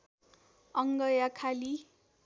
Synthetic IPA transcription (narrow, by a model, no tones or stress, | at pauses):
ʌŋɡʌjakʰali